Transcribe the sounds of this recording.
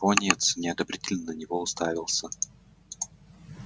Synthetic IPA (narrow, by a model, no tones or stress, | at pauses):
onʲɪɛt̪snʲɪɐd̪əbɾʲitʲɪlʲnənənʲɪvoʊst̪avʲɪlˠsʲə